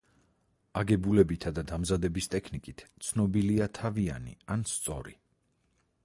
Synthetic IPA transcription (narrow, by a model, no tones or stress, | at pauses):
aɡɛbulɛbit̪ʰad̪ad̪amzad̪ɛbist̪ʼɛkʰnikʼit̪ʰt̪sʰnɔbiliat̪ʰavia̰nḭanst̪sʼɔ̰ɾḭ